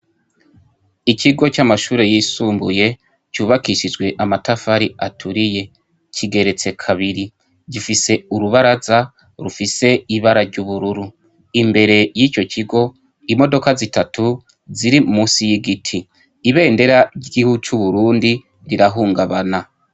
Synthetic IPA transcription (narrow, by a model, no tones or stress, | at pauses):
iciɡo̞t͡ʃamaʃuːɾe̞jisuːmbuje̞ | cuːβakiʃid͡ʒɡwe̞ʔamatafaɾiatʰuɾije̞ | cʰiɡe̞ɾe̞t͡se̞kʰaβiɾi | ɟifise̞uɾuβaɾaza | ɾufise̞iβaɾaɾɟuβuɾuɾu | imbe̞ɾe̞jiːco̞ciɡo̞ | imo̞do̞kazitatu | ziɾimumuːsijiɡitʰiː | βe̞ːnde̞ɾaɾɟiɡihut͡ʃuβuɾuːndi | ɾiɾaɦuːŋɡaβana